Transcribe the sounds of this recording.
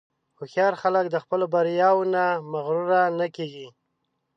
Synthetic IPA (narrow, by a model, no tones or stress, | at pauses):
xoxjɑɾxaləkd̪əxpəlobaɾjɑwnamaɣɾuɾanakeɡi